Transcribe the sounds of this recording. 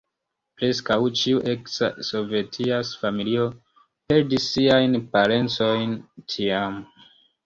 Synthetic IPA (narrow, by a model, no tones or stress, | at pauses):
pɾe̞skawt͡ʃiuʔe̞ksa̰so̞ve̞tʰiasfamilio̞ | pe̞ɾdisːiajnpaɾe̞nt͡so̞jntʰiam